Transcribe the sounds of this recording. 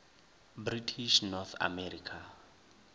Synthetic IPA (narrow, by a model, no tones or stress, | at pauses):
britʰiʃnɔθa̰mɛɾikʰa